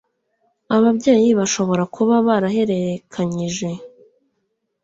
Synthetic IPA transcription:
aβabɟeːjiβaʃo̞βo̞ɾakuβaβaɾaɦe̞ɾeɾekʰaɲiʒe̞

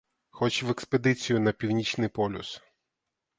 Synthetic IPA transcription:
xɔt͡ʃʋekspe̞d̪ɪt͡sʲijʊnɐpʲiwnʲit͡ʃnɪjpɔlʲʊ̰s

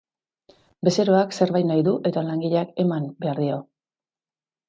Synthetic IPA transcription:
be̞se̞ɾo̞akse̞ɾβajt̪najðuʔe̞ðalaŋɡiʎake̞mambe̞aɾðio̞

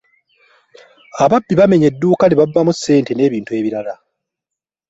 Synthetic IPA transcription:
aβabːiβame̞ɲe̞dːuːkaneβavːamusːe̞ːnte̞ne̞ːβiːntue̞ːβiɾala

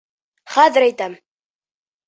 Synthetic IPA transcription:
χæðɪɾæjt̪æm

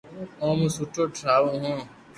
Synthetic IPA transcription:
õːmũsuʈoːʈʰɾaːʋõːɦõː

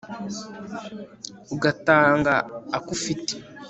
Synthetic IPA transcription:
uɡataːŋɡaːkufite̥

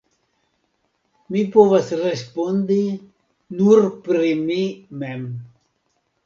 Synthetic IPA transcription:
mipovasrespond̪i | nuɾpɾimimem

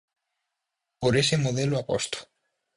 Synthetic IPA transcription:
poɾesemoð̞eloapost̪o̥

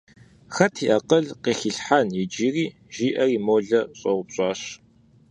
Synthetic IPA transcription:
xɐtʰiːʔɐqəɮqiːɬiɬħanjid͡ʒiːriː | ʒ̥iːʔɐriːmoːɮɐɕʼɐʁʷʊpɕʼɑːɕ

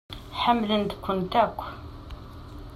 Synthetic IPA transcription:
ħəmːlənt̪kʷːʊnt̪ækʷː

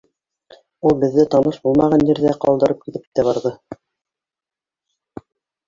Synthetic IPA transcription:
ulˠbɘ̆ðːɘt̪ɑnɤʃbulˠmɑʁɑnːiɾðæqɑ̰lˠd̪ɤ̆ɾɤp̚kit̪ɘp̚t̪æβɑɾðɤ

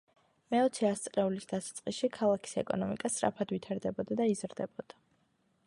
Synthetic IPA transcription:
mɛɔt̪sʰɛast̪sʼlɛulisd̪asat̪sʼqʼiʃikʰalˠakʰi̥sɛkʼɔ̰nɔmḭkʼasʼɾa̰pʰad̪wit̪ʰaɾd̪ɛbɔd̪ad̪aizɾd̪ɛbɔd̪̥a

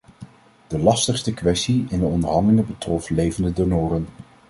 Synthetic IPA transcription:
d̥əlɑstəχstəkʋɛstiɪndəɔndəɹɦɑndəlɪŋəbətrɔflejvəndədonʊːrən

